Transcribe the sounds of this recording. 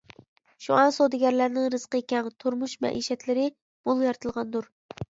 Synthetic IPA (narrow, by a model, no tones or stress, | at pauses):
ʃṵɑnsod̪ɪɡʲɛɾlæɾnɪŋɾɨz̥qəkʲɛŋt̪ʰuɾmuʃmɛ̰ʔiʃɛt̪lɪɾɪ | b̥olˠjɑɾt̪ʰɨlˠʁɑnd̪uɾ